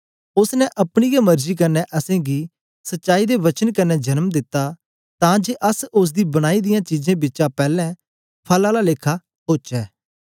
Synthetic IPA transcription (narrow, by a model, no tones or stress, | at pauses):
ʊsnɛʔɐpɽ̃ijemɐɾd͡ʒiːk̬ɐnːɛʔɐsẽːɡiː | sɐtːʃaːid̪eʋɐt͡ʃənkɐnːɛd͡ʒɐnəmd̪ɪt̪ːa | t̪ãd͡ʒeːʔəsʊs̬d̪iːbɐɽ̃aːid̪ɪjãt͡ʃiːzẽbɪːt͡ʃãpɛːlɛ̃ | pʰɐlalaleːkʰːa | ɦoːt͡ʃɛː